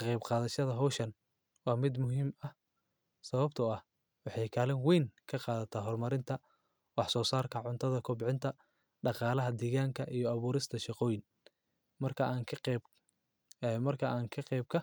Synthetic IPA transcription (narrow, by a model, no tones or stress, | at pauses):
kɐqɛjbqɑːðɐʃɐðɐɦɔːʃɐn | wɑːmɪd̪mʊɦiːmɐh | sɐβɐbt̪ʰʊɐh | wɑħɑjkʰaːlɛnwɛjŋkʰɐqɑːðɐt̪ʰɐɦɔrmɐɾɪnt̪ʰɐ | wɑħsɔːsaːrkʰɐʕʊnt̪ʰɐðɐkʰʊbʕɪnt̪ʰɐ | ɖɑqɑːlɐɦɐd̪iːɣaːŋkʰɐʔijɔɐβuːɾɪst̪ʰɐʃɑqɔːjɪn | mɐrkʰɐaːŋkʰ | mɐrkʰɐʔaːŋkʰɐqɛjb̚kʰɐ